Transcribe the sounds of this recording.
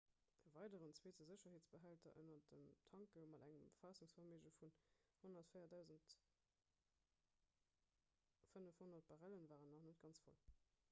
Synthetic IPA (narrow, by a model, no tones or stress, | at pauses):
əvɑɪdəʁənt͡sweːtəzəɕɐɦeːt͡sb̥əɦæltɐʔə̰nɐdəmtʰɑŋkəmɑdæŋəmfɑːsuŋsfɑmeːʒəfunhonɐtfəɪɐdæʊzənt | fənəfhonɐt̚b̥aʁælənvaːʁənːɔχnət̚ɡ̥ɑnt͡sfo̰l